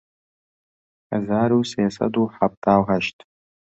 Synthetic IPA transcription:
a̰zaːɾuwsajasa̰duħap̚tʰaːħaʃtʼ

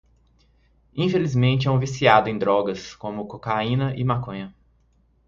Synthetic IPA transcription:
ĩfelizmẽnt͡ʃɪɐ̃w̃visiad̪ʊẽj̃d̪ɾɔɡɐskõmʊkokaĩnɐʔɪmakõjɐ

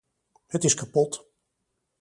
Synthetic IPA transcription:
hətɪskapɔt

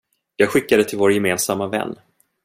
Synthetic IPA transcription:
jɑːɡɧɪkːad̪ət̪ʰɪlvoːɾjɛmeːnsamːavɛ̰nː

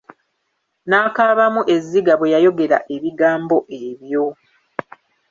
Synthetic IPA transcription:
naːkaːβamuʔe̞zːiɡaβwe̞jajo̞ɡe̞ɾa̰ʔe̞βiɡaːmbo̞ʔe̞βjo̞

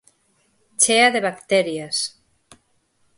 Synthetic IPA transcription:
t͡ʃeaðeβakt̪ɛɾjas

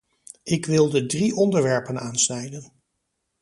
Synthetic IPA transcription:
ʔɪkʋɪlˠdədriʔɔndəɹʋɛɹpənaːnsnɛjdən

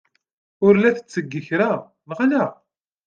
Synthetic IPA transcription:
ʊɾlæθə̥t͡sːəɡːəçɾa | nʁalæ

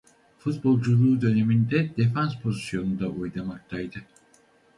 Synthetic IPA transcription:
fut̪̚bo̞lˠd͡ʒulˠuːd̪ø̞ne̞mind̪ɛd̪̥efanspʰo̞zisjo̞nund̪aʔujd̪amak̚t̪ʰajd̪ɯ

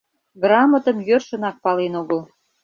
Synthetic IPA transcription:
ɡrɑmət̪ə̆mjørʃə̆nɑk̚pɑlenoɣəl

